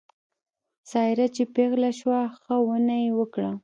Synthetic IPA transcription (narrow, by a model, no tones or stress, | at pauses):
sɑɪɾat͡ʃepeɣlaʃwaxəwənajewəkɽa